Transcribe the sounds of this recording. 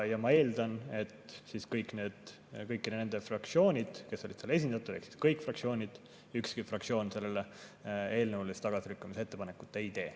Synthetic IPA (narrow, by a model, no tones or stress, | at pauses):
jɑmɑe̞ːld̪̥ɑne̞t̪siːskɤjkːˑne̞ːd̪̥ | kɤjkːinene̞nd̪̥e̞frɑk̚t̪sio̞ːnʲid̪̥ke̞sːolid̥̪sele̞s̬ʲind̪̥ɑt̪ːˑud̥̪eksi̥skɤjkˑfrɑk̚sio̞ːnʲid̪̥ | ykskifrɑk̚sio̞ːnse̞lːe̞lee̞ːlnəwlist̪ɑɡ̥ɑsiɾykːɑmisee̞t̪ːe̞pɑne̞kːˑu̥t̪ːˑeijt̪e̞ː